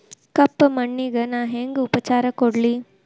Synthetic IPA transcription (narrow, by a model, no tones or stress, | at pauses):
kɐpːmɐɳːiɡɐnaːɦeŋɡupɐt͡ʃaːɾɐkoɽli